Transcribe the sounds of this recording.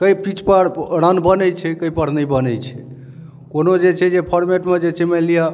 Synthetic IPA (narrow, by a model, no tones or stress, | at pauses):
kəjpit͡ʃpəɾɾənbənɛjt͡ʃʰɛkəjpəɾnəbənɛjt͡ʃʰɛ̰ | konod͡ʒet͡ʃʰɛd͡ʒepʰəɾmeʈmed͡ʒet͡ʃʰɛmelija